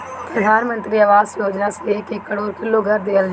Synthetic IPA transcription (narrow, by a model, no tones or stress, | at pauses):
pɾəd̪ʱaːnmə̃nt̪ɾiɐʋaːsjoːd͡ʒnaseːkekːəɽoːɾkʰɪlːoɡʱɐɾd̪eːəl